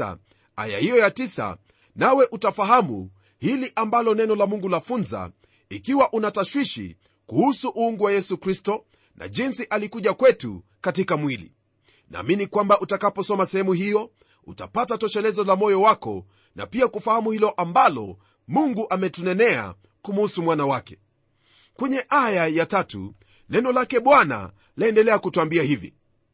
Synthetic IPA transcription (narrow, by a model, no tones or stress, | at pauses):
a̰ | a̰ja̰hijɔjatisa̰ | nawɛʔutafaɦamṵ | hiliʔambalɔnɛnɔlamuŋɡulafunza̰ | ikiwaʔunataʃwiʃḭ | kuhusuʔuuŋɡuwajɛsukɾistɔ | nʔa̰ʄinsiʔalikuʄakwɛtṵ | katikamwilḭ | na̰ːminikwambaʔutakapɔsɔmasɛhɛmuhijɔ | ṵta̰patatɔʃɛlɛzɔlamɔjɔwakɔ̰ | na̰piakufahamuhilɔʔambalɔ̰ | muŋɡuʔamɛtunɛnɛa̰ | kumhusumwanawakɛ̥ | kwɛɲɛʔajajatatṵ | nɛnɔlakɛɓwana̰ | laɛndɛlɛakutuambiahivḭ